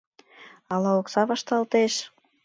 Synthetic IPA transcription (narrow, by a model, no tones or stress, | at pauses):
ɑlɑoksɑβɑʃt̪ɑlt̪eʃ